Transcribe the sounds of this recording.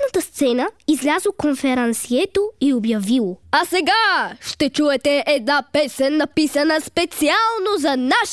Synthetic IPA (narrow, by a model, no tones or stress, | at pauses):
nət̪əst̪sɛnəizlʲazokonfɛɾɐnsiɛt̪oiobjɐvilˠoasɛɡaʃt̪ɛt͡ʃuɛt̪ɛʔɛd̪̚napɛsɛnːɐpisɐnəspɛt̪sialˠnozɐnaʃ